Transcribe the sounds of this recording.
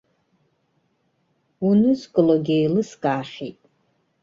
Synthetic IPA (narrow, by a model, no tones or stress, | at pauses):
unɨzkʼɨloɡʲiejlɨskʼaːχʲejtʼ